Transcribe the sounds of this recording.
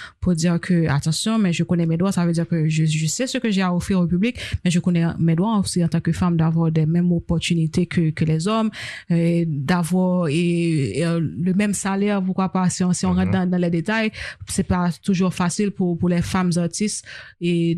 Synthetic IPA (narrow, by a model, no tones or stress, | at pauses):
puʁd̪iʁkʰøa̰t̪ɑ̃sjɔ̃mɛʒəkonɛmɛd̪wasavød̪iʁkøʒəʒəsɛsəkəʒeaofiʁoep̬yblikmɛ̃ʒəkonɛmɛd̪waosiɑ̃t̪ɑ̃kəfamd̪avwaʁd̪ɛmɛmopɔʁt̪ynit̪ekʰəkəlɛzɔm | d̪avwaʁe | ləmɛmsalɛʁpuʁkwapasiɔ̃siɔ̃ʁɑ̃t̪̚d̪ɑ̃d̪ɑ̃lɛd̪et̪ajsɛpat̪uʒuʁfasilpupuʁlɛfamzaʁt̪ist̪e